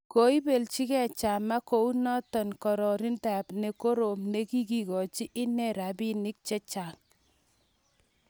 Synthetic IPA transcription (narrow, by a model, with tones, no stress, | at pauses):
ko˨i˦be˨lt͡ʃi˦kɛ˦˨t͡ʃa˨ma˦ko˨˦u˦nɔ˦tɔ˨nkɔ˨ɾɔ˨ɾi˦nta˨pne˨ko˦ɾo˨mne˦ki˦ki˨kɔ˨t͡ʃi˦ʔɪ˦nɛ˦ɾa˨bi˦nɪ˦k̚t͡ʃɛ˦t͡ʃa˨ŋ